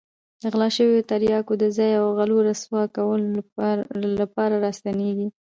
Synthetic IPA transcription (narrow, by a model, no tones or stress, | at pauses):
d̪̥əɣlɑʃəwjot̪aɾjɑkod̪əzɑjawɣaloɾaswɑkawəl | lapɑɾaɾɑst̪aneɡi